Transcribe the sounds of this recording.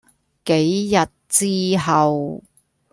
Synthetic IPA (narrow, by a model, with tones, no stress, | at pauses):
ke˨˥jjɐ˨t̚t͡siː˥ɦɐ˨w